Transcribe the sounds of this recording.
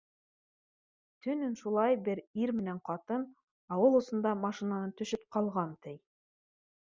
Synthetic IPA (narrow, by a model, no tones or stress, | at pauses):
t̪ɵ̆nɘnʃulˠɑjbɘɾiɾmɘ̆næɴqɑt̪ɤn | ɑwɤlˠŏsŏnd̪ɑmɑʃinanɤt̪ɵ̆ʃɵp̚qɑlˠʁɑnt̪ʰɘj